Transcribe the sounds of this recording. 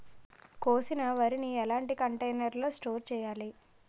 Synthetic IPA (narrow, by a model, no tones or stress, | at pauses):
koːsinɐʋɐɾiniɛlaːɳʈikɐɳʈejnɐɾlo̞ːsʈoːɾt͡ʃɛːjaːli